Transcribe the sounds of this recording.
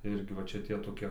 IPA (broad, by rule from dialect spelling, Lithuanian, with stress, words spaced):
ˈɪrʲɡʲɪ ʋɐ ˈt͡ʃʲɛ tʲiɛ toːˈkʲiɛ